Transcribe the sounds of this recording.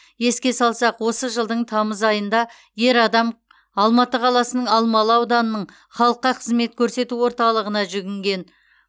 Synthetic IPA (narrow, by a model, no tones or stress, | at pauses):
je̞skʲe̞sɑlˠsɑqwo̞səʒəlˠd̪əɴt̪ʰɑməzɑjənd̪ɑ | je̞ɾɑd̪ɑm | ɑlˠmɑt̪əqʰɑlˠɑsənəɴɑlˠmɑlˠɑwd̪ɑnənəɴ | χɑlˠəqːɑqʰəzme̞t̪̚kʲʰɵɾse̞t̪uwo̞ɾt̪ɑlˠəʁənɑʒʏɡʲɪŋɡʲe̞n